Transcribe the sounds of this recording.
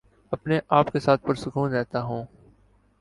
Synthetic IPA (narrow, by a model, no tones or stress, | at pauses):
ɐpneʔaːpkesaːt̪̚ʰpɐɾsʊkʰuːnɾɛɦt̪aɦũː